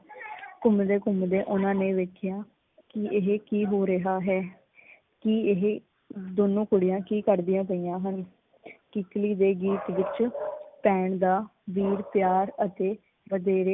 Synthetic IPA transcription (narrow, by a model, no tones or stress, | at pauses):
kʊmd̪eːkʊmd̪eːʔʊnãːnẽːʋeːkʰɪjaː | kɪɪɦekiːɦoːɾəɦaːɦɛː | kiɦ | d̪oːnõːkʊɽɪjãːkiːkəɾd̪ɪjãːp̬əiːjãːɦən | kɪkliːd̪eːɡiːt̪ʋɪt͡ʃpɛːɳd̪aːʋiːɾpjaːɾət̪eː | ʋəd̪eːɾeː